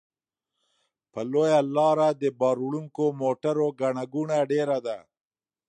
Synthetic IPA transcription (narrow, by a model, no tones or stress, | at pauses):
pəlojalɑɾad̪əbɑɾuɭuŋkomoʈaɾoɡaɳaɡuɳaɖeɾad̪a